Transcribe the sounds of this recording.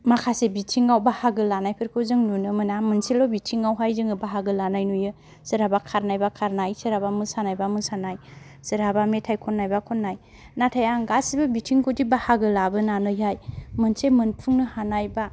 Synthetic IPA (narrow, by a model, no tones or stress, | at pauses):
makʰasebitʰiŋawbahaɡɯlanajpʰɯɾkʰɯwzɯŋnunɯmɯnamɯnselɔwbitʰiŋawɦajzɯŋɯbaɦaɡɯlanajnujɯ | sɯɾabakʰaɾnajbakʰaɾnajsɯɾabamɯsanajbamɯsanaj | sɯɾabametʰajkʰɔnːajbakʰɔnːaj | natʰajaŋɡasibɯbitʰiŋkʰodibahaɡɯlabɯnanɯjɦajmɯnsemɯnpʰuŋnɯhanajba